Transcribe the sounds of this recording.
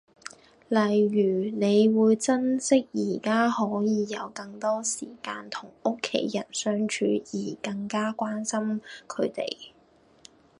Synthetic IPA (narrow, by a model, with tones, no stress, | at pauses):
lɐ˨˩jɥyː˨˩ne˨˧jwuː˨˧jt͡sɐ˥nsɪ˥k̚jiː˨˩kaː˥hɔː˨˥jiː˨˧jɐ˨˧wkɐ˧ŋt̪ɔː˥siː˨˩kaː˧nt̪ʰʊ˨˩ŋʔʊ˥kʰːḛ˨˥jːjɐ˨˩nsœː˥ŋt͡ʃʰyː˨˧jiː˨˩kɐ˧ŋkaː˥kwaː˥nsɐ˥mkʰɵ˨˧ɥt̪ḛ˨j